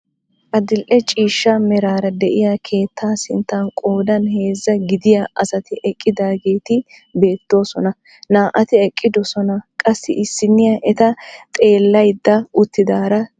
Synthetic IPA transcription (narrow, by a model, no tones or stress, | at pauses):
ʔɐd̪ɪlʔɛt͡ʃʼiːʃːɐmɛɾaːɾɐd̪ɛʔɪjakʰe̞ːt̪ʰːaːsɪnt̪ːɐnkʼo̞ːd̪ɐnhe̞ːzːɐɡɪd̪ɪjaʔɐsɐt̪ɪʔɛkʼːɪd̪aːɡe̞ːt̪ɪ | be̞ːt̪ːo̞ːsɔnɐ | naːʔɐt̪ɪɛkʼːɪd̪ɔsɔnɐkʼɐsːɪ̰ʔɪsːɪnːɪjɐʔɛt̪ɐt̪ʼe̞ːlːɐjd̪ːɐʊt̪ːɪd̪aːɾɐ